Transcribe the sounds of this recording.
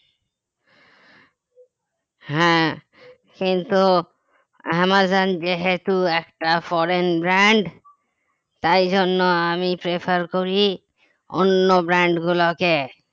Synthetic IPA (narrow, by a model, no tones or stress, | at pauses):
ɦɛ̃ | kint̪u | amad͡ʑand͡ʑeɦet̪uɛkʈafɔɾenbɾaɳɖ | t̪ajd͡ʑonːoamipɾepʰaɾkoɾi | o̰nːobɾaɳɖɡuloke